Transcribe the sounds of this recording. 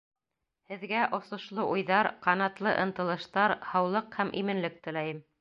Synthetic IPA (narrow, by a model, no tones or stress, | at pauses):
hɘ̆ðɡæʔŏsŏʃlˠɤʔujðɑɾqɑnɑt̪lˠɤ̰ʔɤ̆nt̪ɤ̆lˠɤ̆ʃt̪ɑɾhɑwlˠɤqhæmʔḭmɘ̆nlɘk̚t̪ɘ̆læjɘm